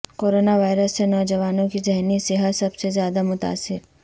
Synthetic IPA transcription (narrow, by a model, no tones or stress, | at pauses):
koːɾoːnaʋaːɪɾəsːenɔːd͡ʒɐʋaːnõkizɛɦnisɪɦasɐbsezjaːd̪amʊt̪a̰ːsːɪɾ